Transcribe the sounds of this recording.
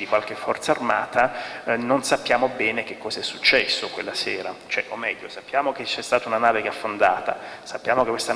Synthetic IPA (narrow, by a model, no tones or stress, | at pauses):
ikwalk̟efːɔrt̪saarmaːt̪anonsapːjaːmobɛːnek̟ekːɔːzaɛsːu̥t͡ʃːɛsːokwelːaseːɾat͡ʃoɛʔomːɛʎːosapːjaːmoket͡ʃːɛst̪aːt̪ounanaːvekeafːond̪aːt̪a̰sapːjaːmokekwest̪a